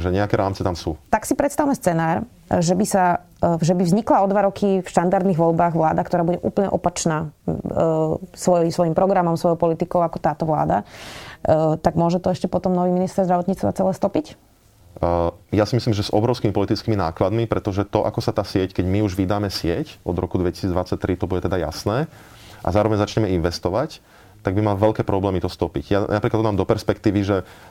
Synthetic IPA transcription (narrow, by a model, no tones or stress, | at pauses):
ʒɛɲɛakɛɾaːmt͡sɛt̪amsṵːt̪aksipɾɛt̪st̪awmɛst͡sɛnaːɾ | ʒɛbisa | ʒɛbivzɲiklaɔd̪ʋaɾɔkʰifʃt̪and̪aɾd̪niɣʋɔlbaːɣʋlaːd̪akt̪ɔɾaːbuɟɛʔuːpl̩ɲɛ̰ʔɔpat͡ʃnaː | sʋɔjisʋɔjimpɾɔɡɾamɔmsʋɔjɔʊpɔlit̪ikɔʊakɔt̪aːt̪ɔʋla̰ːd̪a | t̪aɡmʊɔʒɛt̪ɔɛʃcɛpɔt̪ɔmnɔʋiːminist̪ɛɾzd̪ɾaʋɔt̪ɲiːt͡st̪ʋat͡sɛlɛːst̪ɔpic | jasimislimʒɛzʔɔ̰bɾɔʊskimipɔlit̪it͡skimina̰ːklad̪mipɾɛt̪ɔʒɛt̪ɔʔakɔsat̪aːsɪɛckɛɟmiuʒʋid̪aːmɛsɪɛcɔd̪ɾɔkud̪ʋɛcisiːd͡zd̪ʋat͡sac̚t̪ɾit̪ɔbuɟɛt̪ɛd̪aja̰snɛː | ʔa̰zaːɾɔʋɛɲzat͡ʃɲɛmɛinʋɛst̪ɔʋac | t̪aɡbimalʋɛʎkɛːpɾɔblɛːmit̪ɔst̪ɔpiɟjanapɾiklat̪ːɔd̪mamd̪ɔpɛɾspɛkt̪iːʋiʒɛ